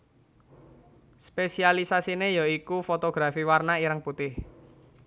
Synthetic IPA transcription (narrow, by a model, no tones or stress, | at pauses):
spesialisasinejɔikufot̪oɡ̥ɾafiwarnaiɾəŋput̪ɪh